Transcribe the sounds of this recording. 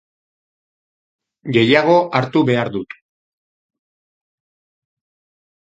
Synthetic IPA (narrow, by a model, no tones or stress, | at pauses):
ɡe̞jaɣ̞o̞ʔaɾt̪uβe̞aɾðut̪